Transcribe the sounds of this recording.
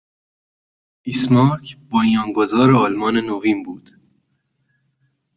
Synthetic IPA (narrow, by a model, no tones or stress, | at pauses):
ʔismɒːɾkʰbonjɒːŋɡozɒːɾeɒlmɒːnenoviːmbuːd̪̥